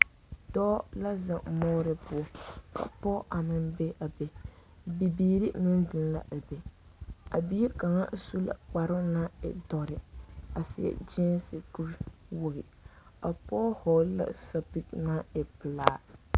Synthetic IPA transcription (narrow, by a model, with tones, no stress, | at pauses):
dɔ˦la˦za˨ŋmɔː˦ɾɪ˦pʊ˦ɔ˨ka̰˨pɔ˦ʔa˨mɨ˦nbe˦ʔa˨be˨ | bi˨biː˦ɾi˦mɨ˦n˦dɨ˨n˦la̰˦ʔa˨be˨a̰˨bi˦i˦ka˨ŋa̰˦su˦la̰˨k͡pa˨ɾɪ˦ŋna˦ɛ̰˨dɔ˨ɾɪ˨a˨sɪ˨ɛ̰˨d͡ʒɛ˦nsɪ˨ku˦ɾwʊ˦ɣɪ˨ | a˨pɔ˦hɔː˨˦la̰˦sa˨pi˦kna˦ɛ˨pɨ˨laː˦